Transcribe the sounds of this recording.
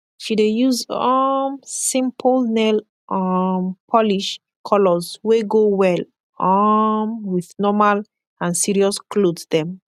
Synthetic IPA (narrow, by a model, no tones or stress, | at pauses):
ʃidejuzɔmsĩmpʰlnɛl | ʔɔmpʰɔliʃ | kʰɔlɔzweɡowɛl | ɔmwiðnɔmal | ãnsiɹiɔsklodsdɛ̃m